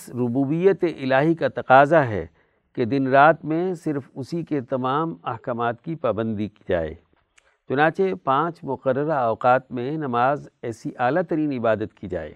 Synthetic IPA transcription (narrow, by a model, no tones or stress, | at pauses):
ɪsɾʊbuːbijət̪eʔɪlaːɦikat̪ɐqaːzaɦɛ̰ | ked̪ɪnɾaːt̪mẽsɪɾfʊsiket̪ɐmaːmɐhkaːmaːt̪kipaːbə̃nd̪ikd͡ʒa̰ːḛː | t͡ʃʊnãːt͡ʃepãːt͡ʃmʊqəɾːəɾaɔːqaːt̪mẽnɐmaːzɛːsiʔaːlat̪ɐɾiːnɪbaːd̪ət̪kid͡ʒa̰ːḛː